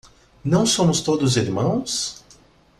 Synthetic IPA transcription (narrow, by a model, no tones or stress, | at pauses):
nɐ̃w̃sõmʊst̪od̪ʊziɾmɐ̃w̃s